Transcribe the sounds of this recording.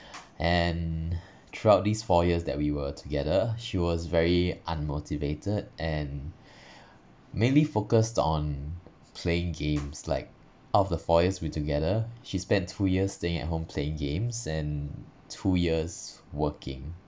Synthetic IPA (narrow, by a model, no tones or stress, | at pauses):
ʔɛ̃n | tʰɹuaʊt̚disfɔjiəsdɛ̰t̚wiwətʰuɡɛdəʃiwɔsvɛɹiʔãnmotivetʰədʔɛ̃n | mẽnlifokəstɔ̃n | pʰleɪ̃ŋɡẽmsla̰ɪk̚ | ɔfdəfɔjəswituɡɛðəʃispɛ̃ntʰujiəssteɪ̃ŋɛ̰t̚ɦõmpʰleɪ̃ŋɡẽmsɛ̃n | tʰujiəs | wəkʰɪ̰̃ŋ